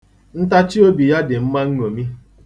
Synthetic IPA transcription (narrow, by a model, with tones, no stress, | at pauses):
n̩˦ta˦t͡ʃi˦o˦bi˨ja˦dɪ˨m̩˦ma˦ŋ̩˦ŋo˨mi˦